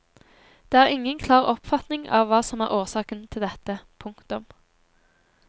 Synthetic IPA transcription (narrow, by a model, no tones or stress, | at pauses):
d̪̥eːæːʁɪŋːənkʰlɑːʁɔpfɑt̪nɪŋɑ̰ːʋːɑːsɔmæːʁʔoːʁsɑːkənt̪ʰɪld̪ɛt̪əpʰʊŋkt̪ʊm